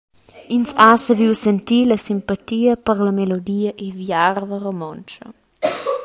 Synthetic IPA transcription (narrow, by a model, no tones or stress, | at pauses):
insasəviwsɛnt̪ilɐsimpat̪iːəpəɾləmelod̪iːəʔevjarvəɾomɔnt͡ʃɐ̰